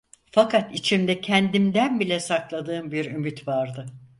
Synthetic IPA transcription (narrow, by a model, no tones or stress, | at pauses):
fakʰat̪it͡ʃʰimd̪ɛcʰɛnd̪imd̪ænbilʲɛsaklˠad̪ɯːmbiɾymyt̪vaɾd̪ɯ